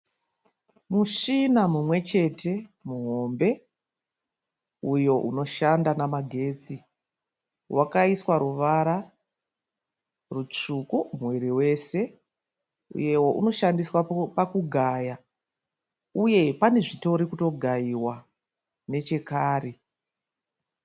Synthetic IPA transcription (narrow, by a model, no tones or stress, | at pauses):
muʂinamumwe̞t͡ʃe̞tʰe̞muɦo̞mbe̞ | ujo̞ʔṵno̞ʃandanamaɡʱe̞ːt͡si | wʔakaiswaɾuʋaɾa | rut͡ʂukumweɾiwe̞se̞ | ṵje̞wo̞ʔṵno̞ʃandiswapakuɡʱaja | uje̞pane̞ʐito̞ɾikuto̞ɡʱaiwa | ne̞t͡ʃe̞kaːri